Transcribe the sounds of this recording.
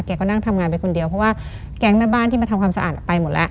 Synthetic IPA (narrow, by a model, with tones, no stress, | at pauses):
kɛː˧˩kɔː˧˥˩na˧˥˩ŋt̪ʰa˧mŋaː˧npa˧jkʰo˧ndi˧əwpʰɔ˧˥waː˧˥˩ | kɛː˨˦ŋmaː˧baː˧˥˩nt̪ʰiː˧maː˧a˧kʰwaː˧msa˧ʔa̰ː˨˩t̪̚pa˧jmo˨˦t̪̚lɛ̰˧ʔ